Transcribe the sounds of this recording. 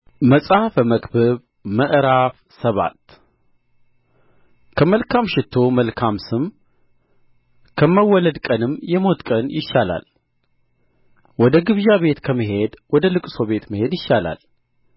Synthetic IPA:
məsʼafəməkʼbɨβ | məʔɾaf | səβa̰t̪ | kʰəməlkʰamʃɪt̪ʰːo̞məlkʰamsɨm | kʰəməwːɔləd̪kʼənɨmjɛmo̞t̪kʼənjɪʃːala̰l | wɔd̪əɡɨβʒaβe̞t̪kʰəməɦe̞d̪wɔd̪əlɨkʼso̞βe̞t̪məhe̞d̪jɪʃːala̰l

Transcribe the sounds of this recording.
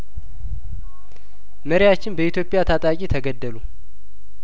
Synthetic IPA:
məɾɪjat͡ʃːɪnbəʔit̪jo̞pʼɪjat̪ʰat̪ʼakʼit̪ʰəɡəd̪ːəlu

